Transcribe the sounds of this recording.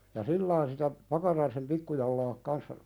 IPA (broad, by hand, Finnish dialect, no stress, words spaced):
jɑ silːɑin sitæ pɑkɑrɑisem pikːujɑlːɑːk kɑnsːɑ